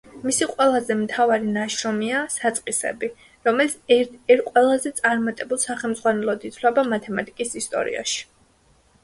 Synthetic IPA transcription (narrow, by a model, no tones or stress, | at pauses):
misiqʼwɛlˠazɛmt̪ʰavaɾinaʃɾɔmiasat̪sʼqʼisɛ̰bi | ɾɔmɛlit̪ɛɾqʼwɛlˠazɛt̪sʼaɾmat̪ʼɛbulˠsaχɛlmd̪zʁwanɛlˠɔd̪it̪sʰlɛbamat̪ʰɛmat̪ʼikʼisist̪ʼɔ̰ɾḭa̰ʃi̥